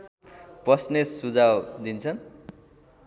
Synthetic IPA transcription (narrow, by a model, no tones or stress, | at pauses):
prʌsnesud͡zawd̪int͡sʰʌn